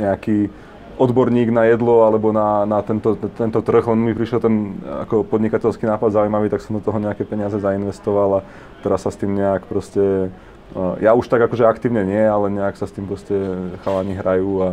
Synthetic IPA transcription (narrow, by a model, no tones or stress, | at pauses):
ɲɛaki | ɔd̪bɔɾɲiːɡnajɛd̪lɔalɛbɔnanat̪ɛnt̪ɔt̪ɛnt̪ɔt̪r̩ɣlɛnmipɾiʃɛlt̪ɛna̰kɔpɔd̪ɲikacɛlskinaːpad̪zauimaʋiːt̪aksɔmd̪ɔt̪ɔɦɔɲɛakɛpɛɲɪazɛzainʋɛst̪ɔʋala | t̪ɛɾasːast̪iːmɲɛakpɾɔscɛ | jauʃt̪aɡakɔʒɛakt̪iːʊɲɛɲɪɛalɛɲɛaksast̪iːmpɾɔscɛxalaɲiɦɾajuːa